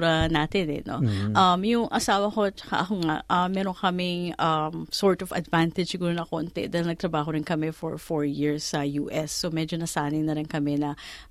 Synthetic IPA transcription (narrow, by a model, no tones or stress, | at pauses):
ɾɐnaːt̪ɪnɛ̰no̞̰ʔɐmjʊŋʔɐsaːwɐko̞t͡ʃɐ̥ka̰ʔɐkoŋaʔʔɐmːɛːɾo̞ŋkɐmɪŋʔɐmsoɹt̪ovɐ̰d̪vant̪ɪdd͡ʒ̥sɪɡuːɾonɐkoːnt̪ɛ̰d̪aːɪlnɐɡ̚t̪ɾɐbaːɦoɾɪnkɐmɛfɔ̰ɹfoɹjɪɹsːɐjṵːʔɛsːomɛd͡ʒonɐsaːnɪŋnɐɾɪnkɐmɛnɐ